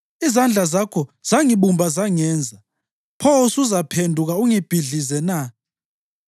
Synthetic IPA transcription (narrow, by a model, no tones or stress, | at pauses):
izand͡ɮʱazakʰɔz̥aŋiɓumbʱazaŋɛːnd͡zʱa | pʰosuzapʰendʱuk̬auŋib̥ʱiɮizɛna